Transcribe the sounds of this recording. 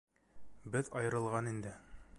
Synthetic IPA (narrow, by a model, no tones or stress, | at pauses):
bɘðɒjɤ̆ɾɤ̆lˠʁɑnind̪ɘ